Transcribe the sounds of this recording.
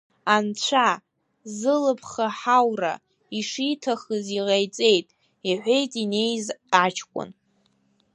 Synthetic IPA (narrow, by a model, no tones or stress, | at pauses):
ant͡ɕʷʰa | zɨlɨpʰχaħawra̰ | iʂitʰaχəziʁajt͡sʼe̞jtʼ | iħʷe̞jtʼine̞jzat͡ʃʰkʷʼʊ̰n